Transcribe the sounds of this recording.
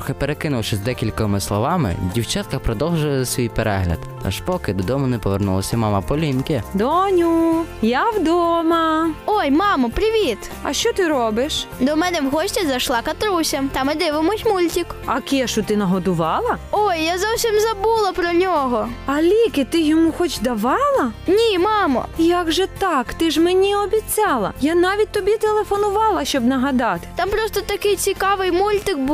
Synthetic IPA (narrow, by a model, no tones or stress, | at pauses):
ɔxepeɾekɪnʊwʃɛzd̪ɛkʲilʲkɔmɪslˠɔʋɑmɪ̰wdʲiwt͡ʃɑt̪kɐpɾɔd̪ɔwˠʒʊʋzɐsʲʋʲijpeɾɛɦlʲɐ̰d̪ | ɐ̰ʒpɔkɪd̪ɔd̪ɔmʊnɛpɔʋernulˠɐsʲɐmɑmɐpɔlʲinkɪd̪ɔnʲujawd̪ɔmɐɔjmɑmɐpɾɪʋʲit̪ | ɐ̰ʃt͡ʃɔt̪ɪɾɔbɪʃd̪ɔmɛnɛwɦɔɕʲtʲizɐʃlˠɑkɐt̪ɾusʲɐmt̪ɐmɪd̪ɪʋɪmʊtʲmulʲtʲikɐkʲiɛʃʊt̪ɪnɐɦɔd̪ʊʋɑlˠɐojːazɔwsʲimzɐbulˠɐpɾɔnʲɔɦɔɐlʲikɪt̪ɪjɔmuxɔt͡ʃd̪ɐʋɑlˠɐnʲimɑmɐ̰jaɡʒɛt̪ɑkt̪ɪʒmenʲiɔbʲit͡sʲɑlˠɐ̰janɑʋʲit̚ʲt̪ɔbʲit̪elˠefɔnʊʋɑlˠɐʃt͡ʃɔbnɐɦɐd̪ɑt̪ɪ̥t̪ɑmpɾɔst̪ɔt̪ɐkɪjt͡sʲikɑʋɪjmulʲt̪ɪk̚bu